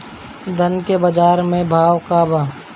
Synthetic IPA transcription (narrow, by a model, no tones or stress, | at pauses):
d̪ənkebɐd͡ʒaːɾmẽbʱaːʋkaːbaː